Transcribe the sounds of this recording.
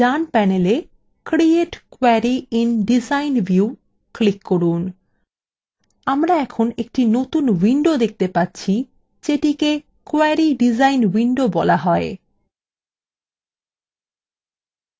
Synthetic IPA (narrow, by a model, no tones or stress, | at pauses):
d͡ʑanpɛnele | kɾieʈkoɛɾiinɖizajnbʱju | klikːoɾun | amɾaɛkʰonek̚ʈinot̪unwiɳɖod̪ek̚ʰt̪epatːɕʰi | d͡ʑeʈike | koɛɾiɖid͡ʑajnwiɳɖobɔlaɦɔe